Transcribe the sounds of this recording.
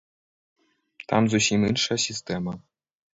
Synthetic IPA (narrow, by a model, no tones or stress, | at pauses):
t̪ɑ̰mzuɕimʲɯnʂasʲist̪ʲema